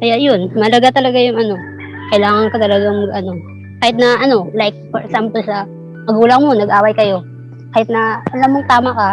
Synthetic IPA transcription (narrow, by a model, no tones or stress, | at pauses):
kɐjaʔjonmɐlɐɡat̪ɐlɐɡajʊŋɐno̞ | kɐjlaːŋɐŋkɐt̪ɐlɐɡaŋmɐɡɐno̞ | kaːhɪt̪̚nɐʔɐno̞lajk̚fɔɹɛksampolsɐ | mɐɡuːlɐŋmo̞nɐɡʔaːwɐjkɐjo̞ | kaːhɪt̪nɐɐlɐmːoŋt̪aːmɐkɐ